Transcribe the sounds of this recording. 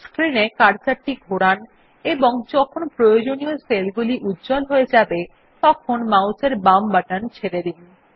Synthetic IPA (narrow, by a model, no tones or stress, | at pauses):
skɾinekaɾt͡ɕaɾʈiɡʱoɽan | eboŋd͡ʑɔkʰonpɾojod͡ʑonioselɡuliʔutːd͡ʑɔlɦoed͡ʑabe | t̪ɔkʰonmawseɾbambaʈant͡ɕʰeɾeɾin